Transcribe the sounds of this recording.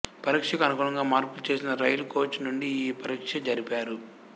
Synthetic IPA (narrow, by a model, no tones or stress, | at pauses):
pɐɾiːkʂɐkɐnɐkuːɳɐŋɡaːmaːɾpulut͡ʃe̞ːs̬inɐɾɐjluko̞ːt͡ʃːnuɳɖiiːpɐɾiːkʂɐd͡ʒɐɾipaːɾu